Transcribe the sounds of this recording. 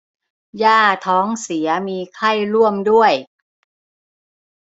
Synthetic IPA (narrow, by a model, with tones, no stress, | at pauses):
jaː˥˩t̪ʰɔː˦˥ŋsi˩˦ɐmiː˧kʰa˥˩jɾu˥˩əmdu˥˩əj